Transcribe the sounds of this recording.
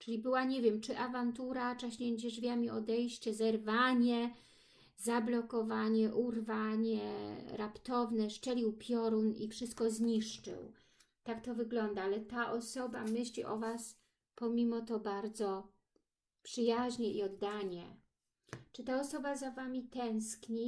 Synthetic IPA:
t͡ʂɘlʲibɘwaɲɛvʲjɛmt͡ʂɘʔavant̪uɾat͡ʂaɕɲɛd͡ʑɛʐvʲjamʲiɔd̪ɛjɕt͡ɕɛzɛɾvaɲɛ | zablɔkɔvaɲɛʔurvaɲɛ̰ɾapt̪ɔvnɛʂt͡ʂɛlʲiwpʲjɔɾunḭfʂɘst̪̚kɔzɲiʂt͡ʂɘ̰w | t̪akt̪ɔvɘɡlɔnd̪aalɛt̪aʔɔsɔbamɘɕlʲḭʔɔ̰vas | pɔmʲimɔt̪ɔbaɾd̪zɔ | pʂɘjaʑɲɛʔiɔd̪ːaɲɛ | t͡ʂɘt̪aɔsɔbazavamʲit̪ɛ̃w̃skɲi

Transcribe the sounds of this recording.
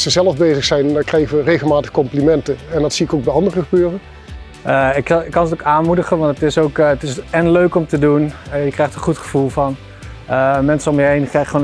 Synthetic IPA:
səzɛlˠəvbejzəχsɛjnkrɛjχəʋərejɣəlˠmaːtəχkɔmplimɛntəɛndɑtsiɪkowɡ̚bɛjɑndərəχəbøːrən | əɪkɪkːɑnətokaːnmudəχənʋɑntətɪsowktɪsɛnløɥkɔmtədunjəkrɛjχtənχutχəv̥ulˠvɑn | əmɛnsəɔmjəɦejnkɛχon

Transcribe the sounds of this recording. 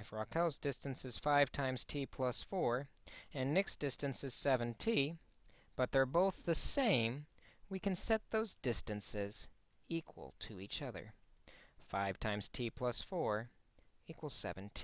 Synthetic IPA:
ɨfɹɑkʰɛlˠzdɪstɨ̃nsɨz̥faɪv̥tʰãɪ̃mz̥tʰipʰl̥ʌsfɔɹɨ̃nːɪksd̥ɪstɨ̃nsɨz̥sɛvɨ̃ntʰi | b̥ʌt̪̚ðə˞boʊθðɨsẽɪ̃m | wikɨ̃nsɛt̪̚ðoʊzdɪstɨ̃nsɪz | ikʰwə̰lˠtʰɨit͡ʃʌðə̰˞ | faɪv̥tʰãɪ̃mz̥tʰipʰl̥ʌsfɔɹ | ikʰwəl̩ˠsɛ̰vɨ̃n̩tʰi

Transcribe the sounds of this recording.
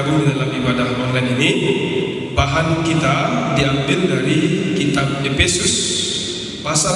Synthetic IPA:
ɾudalamibadahwaŋdanini | baɦankit̪adiambɪldaɾikit̪ab̚epɛsus | pasa

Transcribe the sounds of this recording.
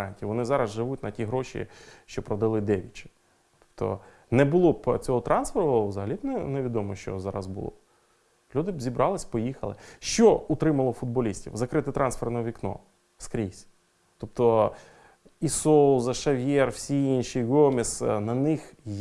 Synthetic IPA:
ɑnʲtʲiʋɔnɪzɑɾɐzʒɪʋutʲnɐtʲiɦɾɔʃʲḭʃt͡ʃɔpɾɔd̪ɐlˠɪd̪ɛʋʲit͡ʃɪ̥ | t̪ɔ̥p̚t̪ɔ̰ | nɛbʊlˠɔpt͡sʲɔɦɔt̪ɾɑnsfeɾzɐɦɐlʲibnɛneʋʲid̪ɔmɔʃt͡ʃɔ̰zɑɾɐ̰zbʊ̰lˠɔ̰ | lʲud̪ɪbzʲibɾʔɑlˠɪsʲpɔjixɐlˠɪʃt͡ʃɔʊt̪ɾɪmɐlˠɔfʊd̪̚bɔlʲisʲtʲḭwzɐkɾɪt̪ɪt̪ɾʔɑnsfernɐʋʲiknɔ̰ | skɾʲisʲ | t̪ɔpt̪ɔ | isɔlˠzɐʃɐʋʲjɛrwsʲiinʃʲiɡɔmʲisnɐnɪx

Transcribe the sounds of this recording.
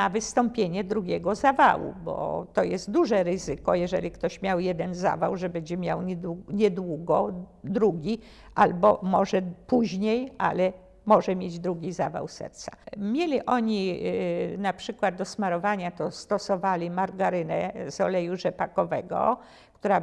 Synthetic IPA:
navɘst̪ɔmpʲjeɲɛd̪ɾuɡʲeɡɔzava̰wṵbɔ̰t̪ɔjɛst̪̚d̪uʐɛɾɘzɘkɔjɛʐɛ̰lʲikt̪ɔɕmʲjawjɛd̪ɛnza̰va̰wʐɛbɛɲd͡ʑɛmʲjawɲɛd̪uɲɛd̪wuɡɔd̪ɾuɡʲi | ʔalbɔmɔʐɛpuʑɲejʔa̰lɛ | mɔʐɛmʲjed͡ʑd̪ɾuɡʲizava̰wsɛ̰ɾt̪samʲjelʲiʔɔɲi | napʂɘkwad̪̚d̪ɔsmaɾɔvaɲat̪ɔst̪ɔsɔvalʲimaɾɡaɾɘnɛ̰zɔlɛjuʐɛpakɔvɛ̰ɡɔ̰ | kt̪uɾa

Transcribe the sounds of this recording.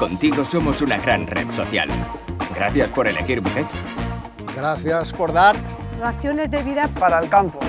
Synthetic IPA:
ko̞nt̪iɣo̞so̞mo̞sunaɣɾanreðso̞θja̰l | ɡɾaθjaspoɾe̞lḛxiɾbuket̪ | ɡɾaθjaspoɾðaɾ | aθjone̞zðeβiðapaɾaelkampo

